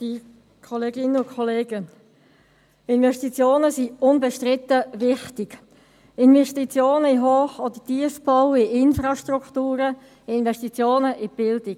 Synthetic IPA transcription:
d̥i | kʰɔleːɡɪnəʊkʰɔleːɡə | ɪnvɛʃtit͡sjoːnəsiʊnbɛʃtʁɪt̪əʋɪχtɪɡ | ɪnvɛʃtit͡sjoːnəɪɦoːχod̪ətiəfb̥ɔwɪʔɪnfrɑʃtrukt̪uːɾə | ɪnvɛʃtit͡sjoːnəʔɪb̥ɪld̪ɪk

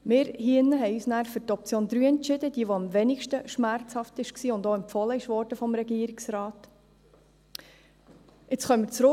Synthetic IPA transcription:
mɪːɾhiɪnːəɦɛɪyːsnæːɾfɵɾtɔp̚t͡sjoːnd̪ɾyːɛntt͡ʃɪd̥̪əd̥iəʋoɑmʋɛnɪkʃtəʃmæɾt͡shɑftɪʃksiːʊndoːɛmpfɔləɪʃʋɔɾdəfɔmɾɛɡiəɾɪksɾɑːt | ɪt͡sχœmːɪt͡sɾʊ

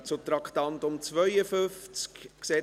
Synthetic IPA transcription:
t͡sʊt̪ɾɑkχt̪ɑnt̪ʊmt͡svœjəfʏft͡skkseː

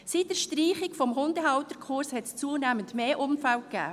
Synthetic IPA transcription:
sitdəɾʃtriːχɪkfɔmɦʊndəɦɑʊtəɾkʰχʊɾshɛtst͡suənæməntmeːʔʊmfælkæ̰ː

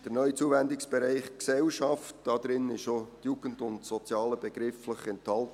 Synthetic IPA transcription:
d̥əɾnœʏt͡suːvɛndɪksb̥ɛɾæɪχksɛlʃɑftd̥ɑd̥̪ɾɪnɪʃotjuːɡ̥ən̩dʊntsɔt͡sjɑːləbɛɡ̥ɾɪfləχɛnthɑlt

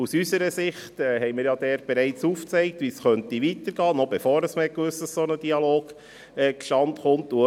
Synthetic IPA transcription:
usysəɾəsɪχtɛhɛjmiɾjɑd̥̪ɛːɾt̚b̥eɾɛɪt͡suːft͡sɛɪk̚t̪ʋisχœnt̪iʋit̪əɾɡɑːnɔbefoːɾəsməhɛkʋʏsd̥ɑssonəd̥iɑloːɡ̥ | ɛkʃtɑnt̪χʊnt̪u

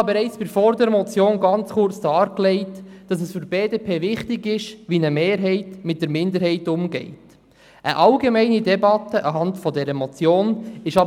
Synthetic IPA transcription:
ɑbɛɾɛɪt͡sb̥ɪɾfɔɾdɛɾmɔt͡sjoːnɡɑnt͡sχʊɾt͡sd̥ɑːɾklɛɪtd̥ɑs̬əsfyɾb̥eːdepʰeːʋɪχtɪɡɪʃʋinəmeːɾɦɛɪtmɪt̚d̥əɾmɪndəɾɦɛɪtʊmɡɛ̰ɪt | ʔəʔɑlɡemɛɪnidɛbɑtəʔɑɦɑntfɔdɛɾəmɔt͡sjoːnɪʃɑ

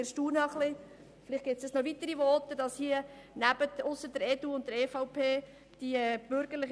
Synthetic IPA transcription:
eɾʃtuːnəəχlɪ | flɪχt̚ɡ̥ɪt̪sɛsnɔʋit̪əɾivɔːt̪ːədɑshiə | næbətʊsːədəɾɛtuʊnt̚d̥̪əɾefɑʊpʰeː | d̥iɛb̥ʏɾɡ̥əɾlɪχ

